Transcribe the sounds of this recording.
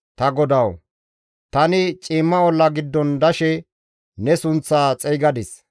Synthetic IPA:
t̪ɐɡɔd̪ɐw | t̪ɐnɪt͡ʃʼiːmːɐɔlːɐɡɪd̪ːɔnd̪ɐʃɛ | nɛsʊnt͡sːaːt͡sʼɛjɡɐd̪ɪs

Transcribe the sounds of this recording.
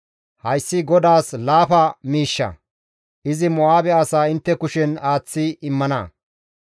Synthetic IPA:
hɐjsːɪɡɔd̪aːslaːfɐmiːʃːɐ̰ | ʔɪzɪmɔaːbɛɐsaːɪnt̪ːɛkʊʃɛnaːt͡sːɪɪmːɐnɐ̰

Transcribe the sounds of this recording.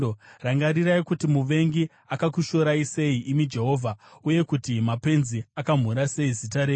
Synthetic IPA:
oraŋɡaɾiraikutimuʋe̞ŋɡi | akakuʃo̞ɾaise̞iʔimid͡ʒe̞ɦo̞ːvʱauje̞kutimape̞nziakam̤uɾase̞izitaɾe

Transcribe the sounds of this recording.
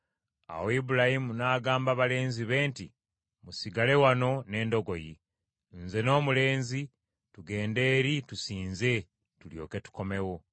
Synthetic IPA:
a̰woibuɾahimunaːɡaːmbaβale̞ːnziβe̞ːnti | musiɡale̞wano̞ne̞ːndo̞ɡo̞ji | nze̞no̞ːmule̞ːnzi | tuɡe̞ːnde̞ːɾitusiːnze̞ | tuljo̞̰ːke̞tu̥ko̞me̞wo̞

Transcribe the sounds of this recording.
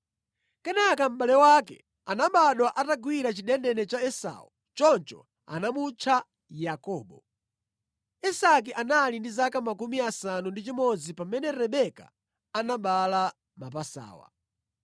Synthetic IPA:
kɛnakam̩ɓalɛwakɛ̰ | anamɓaɗwaʔataɡwiɾat͡ʃiɗɛndɛnɛt͡ʃaɛsa̰ṵ | t͡ʃɔnt͡ʃɔ̰ | a̰namut͡ʃʰa | jakɔːɓɔ | ɛsak̬iʔanalindizakamakumiasanundit͡ʃimɔd͡zipamɛnɛɾɛɓɛka̰ | anaɓala | mapasa̰ːwa̰

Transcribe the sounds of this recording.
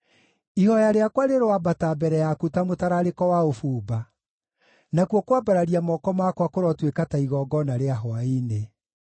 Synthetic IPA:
ihɔjaɾeakwaɾeɾowabatabɛɾɛjakutamotaɾaɾekɔwaofuːba | nakwokwabaɾaɾiamɔkɔmakwakoɾɔtwekataiɣɔɡɔnaɾeaɦɔaine

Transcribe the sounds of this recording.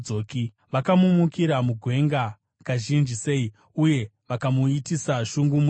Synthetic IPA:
oːki | ʋakamumukiɾamuɡʱwe̞ŋɡa | kaʒind͡ʒise̞i | uje̞ʋakamuitisaʃuŋɡumu

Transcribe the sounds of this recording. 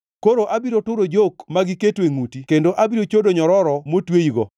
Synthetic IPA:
koɾoʔabiɾotʊɾod͡ʒokmaɡiketweŋutikendoʔabiɾot͡ʃodoɲɔɾɔɾɔmotwejiɡɔ̰

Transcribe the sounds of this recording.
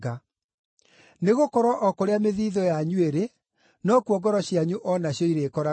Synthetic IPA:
ɡa | neɣokɔɾwɔʔɔkoɾeameðiðɔjaɲueɾe | nɔkuɔɡɔɾɔɕjaɲuʔɔnaɕjɔiɾekɔɾa

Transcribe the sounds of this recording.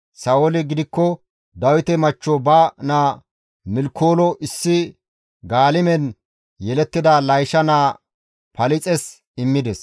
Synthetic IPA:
sɐwɔlɪɡɪd̪ɪkːɔ | d̪ɐwɪt̪ɛmɐt͡ʃːɔbɐnaː | mɪlkʰːoːlɔʔɪsːɪ | ɡaːlɪmɛn | jɛlɛt̪ːɪd̪ɐlɐjʃɐnaː | pɐlɪt͡sʼɛs | ɪmːɪd̪ɛs

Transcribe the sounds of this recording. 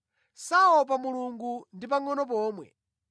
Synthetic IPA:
saɔp̬amuluŋɡundip̬aŋɔnɔp̬ɔːmwɛ̰

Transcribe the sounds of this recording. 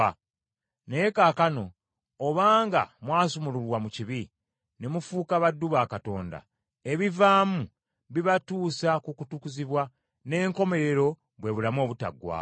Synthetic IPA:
neekaːkano̞ː | βaːŋɡa̰mwaːsumululwamuciβi | ne̞mufuːkaβadːuβaːkato̞̰ːnda̰ | e̞βivaːmu | βiβatuːsakukutukuziβwa | ne̞ːŋko̞me̞ɾe̞ɾo̞ | βwe̞βulamo̞ːβuta̰ɡwa̰ː

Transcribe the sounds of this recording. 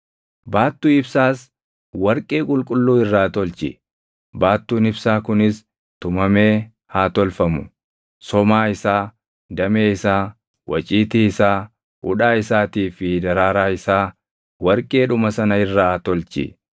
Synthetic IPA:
baːt̪ːuːɪbsaːs | wɐɾkʼe̞ːkʼʊlkʼʊlːuːɪrːaːt̪ɔlt͡ʃɪ̰ | baːt̪ːuːnɪbsaːkʊnɪs | t̪ʊmɐme̞ː | haːt̪ɔlfɐmʊ̰ | sɔmaːɪsaː | d̪ɐmeːɪsaː | wʔɐ̰t͡ʃʼiːt̪iːɪsaː | ʔʊ̰ᶑaːɪsaːt̪iːfɪd̪ɐɾaːɾaːɪsaː | wɐɾkʼe̞ːᶑʊmɐsɐnɐɪrːaːt̪ɔlt͡ʃɪ̰

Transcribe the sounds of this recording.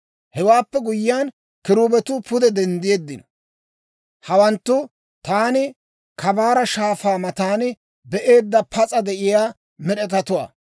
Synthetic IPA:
hɛwaːpːɛɡʊjːɪjaːn | kɪɾuːbɛt̪ʊpʊd̪ɛd̪ɛnd̪ɪje̞ːd̪ːɪnɔ | hɐwɐnt̪ːʊ | t̪aːnɪ | kʰɐbaːɾɐʃaːfaːmɐt̪aːnɪ | bɛʔe̞ːd̪ːɐpʰɐt͡sʼɐd̪ɛʔɪjaː | mɛɗɛt̪ɐt̪ʊwa̰ː

